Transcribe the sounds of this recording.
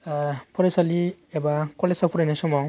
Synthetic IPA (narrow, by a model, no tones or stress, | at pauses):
pʰɔɾesaliebakɔlesapʰuɾanasɔmaw